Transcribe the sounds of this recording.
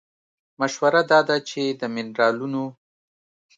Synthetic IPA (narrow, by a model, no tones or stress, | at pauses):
maʃwaɾad̪ɑd̪at͡ʃed̪əmɪnɾɑluno